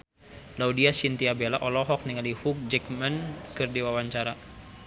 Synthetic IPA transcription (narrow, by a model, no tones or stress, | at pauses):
laudiasint̪iabelaʔɔlɔɦɔk̚niŋalihuk̚d͡ʒɛkmənkɨrdiwawaɲt͡ʃaɾa